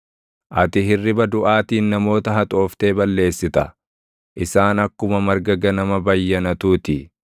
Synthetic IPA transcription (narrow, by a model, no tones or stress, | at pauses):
ʔɐt̪ɪɦɪrːɪbɐd̪ʊʔaːt̪iːnnɐmo̞ːt̪ɐɦɐt̪ʼo̞ːft̪e̞ːbɐlːe̞ːsːɪt̪ɐ | ʔɪsaːnɐkːʊmɐmɐɾɡɐɡɐnɐmɐbɐjːɐnɐt̪uːt̪ɪ